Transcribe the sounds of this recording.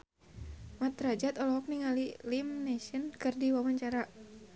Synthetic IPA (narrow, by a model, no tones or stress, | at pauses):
mat̪ɾad͡ʒat̪ɔlɔɦɔk̚niŋalilimnɛsənkɨrdiwamaɲt͡ʃaɾa